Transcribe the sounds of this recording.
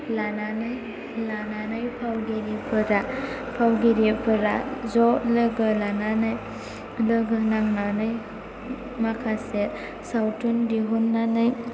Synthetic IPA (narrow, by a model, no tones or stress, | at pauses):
lananɯj | lananɯjpʰawɡeɾipʰɯɾa | pʰawɡeɾipʰɯɾa̰zɔlɯɡɯlananɯj | lɯɡɯnaŋnanɯj | makʰase | sawtʰundiɦunːanɯj